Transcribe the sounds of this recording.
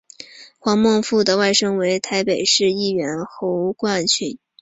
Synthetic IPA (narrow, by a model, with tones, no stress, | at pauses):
xwɑ˧˥ŋmwɑ˥˧ŋfu˥˩d̪ə˩wa˥˩ɪʂɤ˥ŋwe˧˥ɪt̪ʰa˧˥ɪpe˨˩ɪʂɻ̩˥˧i˥˩ɥɛ˧˥nxo˧˥ʊkwa˥˩nt͡ɕʰy˧˥n